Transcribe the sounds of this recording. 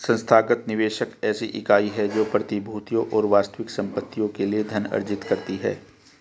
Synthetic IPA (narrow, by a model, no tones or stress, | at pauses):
sɐ̃nst̪ʰaːɡət̪nɪʋeːʃəkɛːsiʔɪkaːiɦɛd͡ʒoːpɾɐt̪ɪbʱuːt̪ijõʔɔːɾʋaːst̪əʋɪksɐ̃mpət̪ːijõkelied̪ʱɐnɐ̰ɾd͡ʒɪt̪kɐɾt̪iɦɛ̰ː